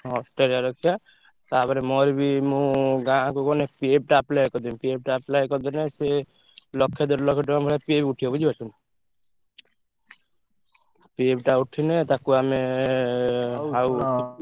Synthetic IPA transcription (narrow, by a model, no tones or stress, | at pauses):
ɔsʈɔɾaɾɔkʰja | t̪apɔɾɛmɔɾbimũɡãkukɔnɛpieb̚ʈaːplajkɔd̪inpieb̚ʈaːplajkɔd̪ɔnɛse | lɔkʰːed̪ɔɾlɔkʰɔʈɔambʱɔɭapebuʈʰiɔbɔd͡ʒibat͡ʃʰun | pebʈauʈʰinɛt̪akuame | ɦaw